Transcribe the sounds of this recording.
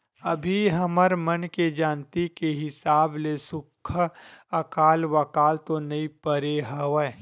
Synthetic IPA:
əbʱiɦɐməɾmənked͡ʒaːnt̪ikeɦɪsaːblesʊkʰəkaːlʋəkaːlt̪onɐipəɾeɦəwə

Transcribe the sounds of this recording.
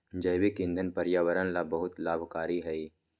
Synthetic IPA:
d͡ʒɐjwikɪ̃nd̪ʱənpɐɾjaːʋəɾənlabɐɦʊt̪laːbʱkaːɾiɦɛiː

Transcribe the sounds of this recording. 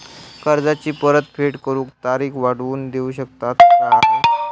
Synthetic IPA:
kəɾd͡zat͡ɕiːpəɾət̪fʰeʈkəɾuːkt̪aɾiːkʋaɽ̤ʋuːnd̪euːɕək̚t̪at̪na

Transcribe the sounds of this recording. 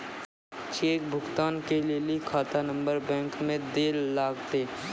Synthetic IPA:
t͡ʃeːk̚bʱʊɡt̪aːnkelilikʰaːt̪anə̃mbəɾbɛ̃ːŋkmẽd̪eːlːaːɡt̪eː

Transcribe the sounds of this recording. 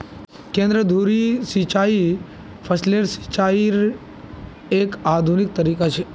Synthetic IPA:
kẽnd̪ɾəd̪ʱuɾisit͡ʃai | fʰəsleɾsi̥t͡ʃaiɾ | ekad̪ʱunik̚t̪əɾikat͡ʃʰe

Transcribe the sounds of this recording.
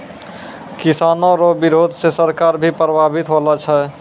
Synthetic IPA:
kisaːnoɾobiɾoːd̪ʱsesəɾkaːɾbʱipɾəbʱaːbʱit̪ɦolat͡ʃʰɛ

